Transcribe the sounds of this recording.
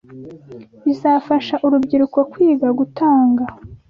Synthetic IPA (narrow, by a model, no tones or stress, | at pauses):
izaːfaʃaʔuɾubɟiɾuko̞kwiːɡaɡutaːŋɡa